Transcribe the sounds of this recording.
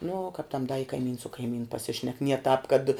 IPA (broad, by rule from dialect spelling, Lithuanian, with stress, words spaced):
nʊ kɐp tɐm dɐ ɪ kɐɪˈmʲiːns sʊ kɐɪˈmʲiːnʊ pɐˈsʲɪʃʲnʲɛk nʲiɛ tɑːp kɐt